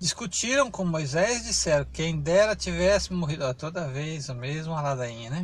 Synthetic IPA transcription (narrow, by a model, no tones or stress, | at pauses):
d͡ʒiskut͡ʃiɾɐ̃w̃kõmojzɛzd͡ʒisɛɾʊ̃kẽj̃d̪ɛɾɐt͡ʃivɛsɪmoɦid̪ʊlat̪od̪ɐvejzomezmʊ̃ɐlad̪aĩɲɐnɛ